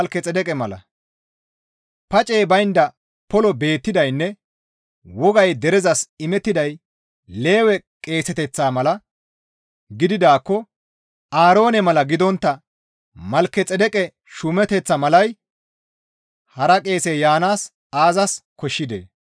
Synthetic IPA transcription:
lkːɛt͡sʼɛd̪ɛkʼɛmɐlɐ̰ | pɐt͡ʃʼeːbɐjnd̪ɐ | pɔlɔbe̞ːt̪ːɪd̪ɐjnːɛ | wɔɡɐjd̪ɛɾɛzɐsɪmɛt̪ːɪd̪ɐj | le̞ːwɛkʼe̞ːsɛt̪ɛt͡sːaːmɐlɐ | ɡɪd̪ɪd̪aːkːɔ | aːɾo̞ːnɛmɐlɐɡɪd̪ɔnt̪ːɐ | mɐlkːɛt͡sʼɛd̪ɛkʼɛ | ʃʊmɛt̪ɛt͡sːɐmɐlɐj | hɐɾɐkʼe̞ːsejaːnaːs | aːzɐskɔʃːɪd̪ḛː

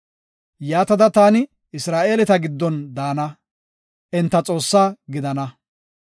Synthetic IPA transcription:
jaːt̪ɐd̪ɐt̪aːnɪ | ɪsɾaːʔe̞ːlɛt̪ɐɡɪd̪ːɔnd̪aːnɐ | ʔɛnt̪ːɐt͡sʼo̞ːsːaːɡɪd̪ɐnɐ

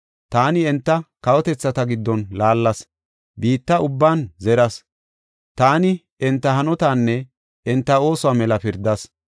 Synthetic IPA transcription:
t̪aːnɪɛnt̪ːɐkɐwɔt̪ɛt͡sːɐt̪ɐɡɪd̪ːɔnlaːlːɐs | biːt̪ːɐʊbːaːnzɛɾɐs | t̪aːnɪ | ɛnt̪ːɐɦɐnɔt̪aːnːɛ | ɛnt̪ːɐo̞ːsɔwaːmɛlɐpɪɾd̪ɐs

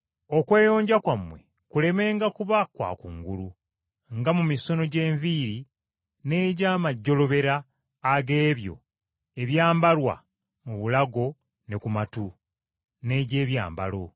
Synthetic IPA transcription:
o̞kwe̞ːjo̞ːɲɟakwamːwe̞̰ | kule̞me̞ːŋɡakuβakwa̰kṵŋɡulu | ŋɡamumiso̞no̞ɟe̞ːɱviːɾi | ne̞ːɟaːmaɟːo̞lo̞βe̞ɾaː | ɡe̞ːβjo̞̰ | e̞βjaːmbalwa̰ | muβulaɡo̞ | ne̞kumatu | ne̞ɟe̞ːβja̰ːmba̰lo̞

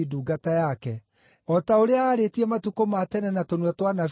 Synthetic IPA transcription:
iduːɡatajakɛ | ɔtaoɾeaaːɾetiɛmatukomatɛnɛnatonwɛtwanaf

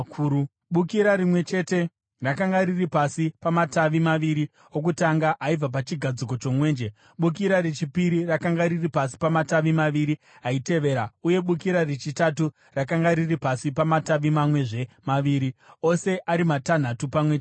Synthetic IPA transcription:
ɓukiɾaɾimwe̞t͡ʃe̞te̞ | rakaŋɡaɾiripasipamataʋimaʋiɾi | ok̬utaŋɡaʔaib͡vap̬at͡ʃiɡʱad͡ziko̞t͡ʃo̞mwe̞ːnd͡ʒe | ɓuk̬iɾaɾet͡ʃipiɾirakaŋɡaɾiripas̬i̥pamataʋimaʋiɾi | ɦaite̞ʋe̞ːɾauje̞ɓukiɾaret͡ʃitatu | rakaŋɡaɾiripasipamataʋimamwe̞ʐe̞maʋiːɾio̞se̞ʔaɾimatan̤atupamwe̞t͡ʃː

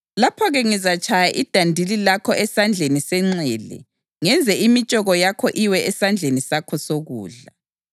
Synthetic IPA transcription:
lapʰɔɣɛŋizat͡ʃʼʰajaʔid̥ʱandʱililakʰɔʔɛsand͡ɮʱenisɛŋ͡ǀɛlɛ̰ | ŋɛnd͡zʱɛʔimit͡ʃʼɔɣɔjakʰɔʔiwɛɛsand͡ɮʱenisakʰɔsoɣṵːɮa

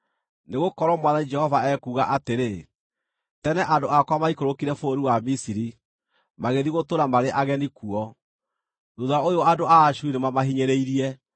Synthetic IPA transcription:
neɣokɔɾɔmwaðanid͡ʒɛhɔvaɛkuɣaʔateɾe | tɛnɛʔadoakwamaikoɾokiɾɛfooɾiwamisiɾi | maɣeðiɣotoɾamaɾeʔaɣɛnikuɔ | noðaaojoadoaːʃuinemamaɦiɲeɾeiɾiɛ

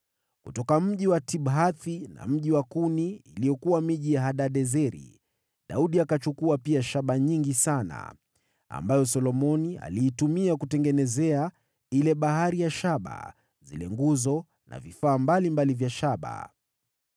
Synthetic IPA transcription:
kutɔkam̩ʄiwatiɓɦaθina̰m̩ʄiwakuniilijɔkuwamiʄijaɦaɗaɗɛzɛɾḭ | ɗa̰uɗiakat͡ʃukuapiaʃaɓaɲiŋɡisana̰ | a̰mbajɔs̬ɔlɔmɔnia̰liːtumiakutɛŋɡɛnɛzɛa | ilɛɓaɦaɾijaʃaɓa̰ | zḭlɛ̰ŋɡuzɔ | na̰vifaːmbalimbalivjaʃaɓa̰

